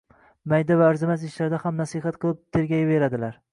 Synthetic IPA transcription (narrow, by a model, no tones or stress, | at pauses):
majd̪avaːɾzɪmazɪʃlaɾd̪ahamnasihat̪̚qʰɨlˠɪp̚t̪ʰe̞ɾɡʲajabe̞ɾad̪ɪlaɾ